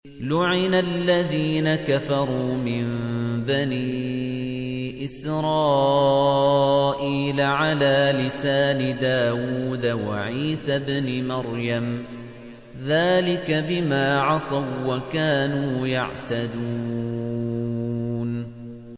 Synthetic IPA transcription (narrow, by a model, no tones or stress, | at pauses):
lʊʕɪnalːaðiːnakafɑɾˤuːmɪmbani | ʔɪsɾˤɑː | ʔiːlaʕalaːlɪsaːnɪd̪aːwuːd̪awa̰ʕiːsabnɪmɑɾjam | ðaːlɪkabɪmaːʕɑsˤɑwːakaːnuːja̰ʕt̪ad̪uː | n